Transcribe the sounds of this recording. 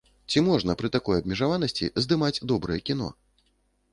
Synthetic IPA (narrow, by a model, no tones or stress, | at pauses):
t͡sʲimɔʐnɐpɾɨt̪akɔjɐb̚mʲɛʐavan̪ɐsʲt͡sʲḭzd̪ɨmad͡zʲd̪ɔbɾɨjɛkʲinɔ̰